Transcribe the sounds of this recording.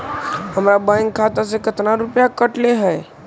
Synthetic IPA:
ɦəmɾabãŋkʰːat̪as̬ekət̪naɾʊpjakəʈleɦɛ

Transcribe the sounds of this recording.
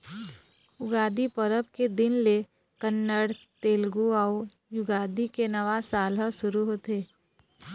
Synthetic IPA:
ʊɡaːd̪ipəɾəbked̪ɪnle | kənːəɽt̪eːlɡuaʊ | jʊɡaːd̪ikenɐʋasaːləʃʊɾuɦoːt̪eː

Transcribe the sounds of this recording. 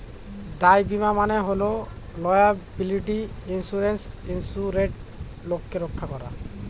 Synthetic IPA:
d̪ajbimamaneɦolo | lɔjabiliʈiinsuɾens | insuɾeʈ̚ | lokːeɾokʰːakɔɾa̰

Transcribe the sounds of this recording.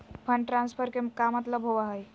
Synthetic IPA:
pʰəɳʈɾanspʰəɾkemkamət̪ləbɦobaɦəj

